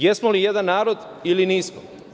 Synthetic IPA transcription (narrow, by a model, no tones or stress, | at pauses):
jesmolijed̪anːaːɾo̞d̪ | iliniːsmo̰